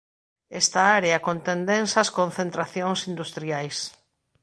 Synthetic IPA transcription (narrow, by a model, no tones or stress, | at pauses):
est̪aaɾeɐkont̪end̪ẽnsɐskõnθent̪ɾaθjoŋsind̪ust̪ɾiajs